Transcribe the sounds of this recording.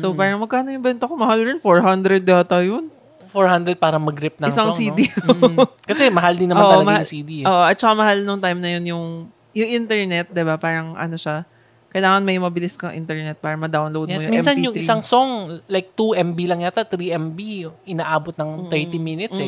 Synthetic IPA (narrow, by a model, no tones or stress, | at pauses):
sopaːɾɐŋmɐɡ̚kaːnojʊŋbɛːnt̪okomɐhaljɛnfoɹɦɐnd̪ɾɛd̪̚ɡaːt̪ɐjon | foɹhand̪ɾɛd̪̚paːɾɐŋmɐɡɾɪp̚nɐɪsaŋsiːi | kɐsɛmɐɦald̪ɪnːɐmaoːʔ̪ɐlɐmɐasid̪iʔoːʔoʔɐt̪̚t͡ʃɐkamɐhalnoŋt̪ajmnɐjonjʊŋ | jʊŋʔɪnt̪ɛɹnɛt̪̚d̪ɪbapaːɾɐŋʔɐ̰no̞ʃa | kɐjlaːŋɐnmɐjmɐbɪlɪskɐŋʔɪ̰nt̪ɛɹnɛt̪̚paːɾɐŋmɐd̪awnlowd̪jmɛojsʊmiɛmsɐnjʊŋɪsaŋsoŋlajk̚t̪uʔɛmbilɐŋjat̪at̪ɾiʔɛmbiʔɪnaːʔaːbot̪̚nɐŋt̪ɛɹt̪iminɪt̪s